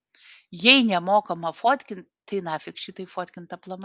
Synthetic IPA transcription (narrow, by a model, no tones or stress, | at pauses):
jɛɪnʲɛmoːkɐmɐfoːt̪ʲkʲɪn | t̪ɐɪnɑːfʲɪkʃʲɪt̪ɐɪfoːt̪ʲkʲɪnt̪ɐplˠɐm